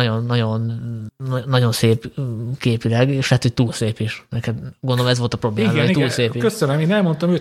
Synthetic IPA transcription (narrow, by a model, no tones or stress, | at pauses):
ɟo̞nːɒɟo̞nː | nːɒɟo̞nseːpkeːpilɛɡeːʃlɛɦɛt̪ho̞c̚t̪uːlseːpiʃnɛkɛd̪ɡo̞ndooɛzvʋo̞lt̪ɒprobleːimazɛojit̪ːlseːpikøsønɛmeːnɛlmo̞nt̪ɒmøː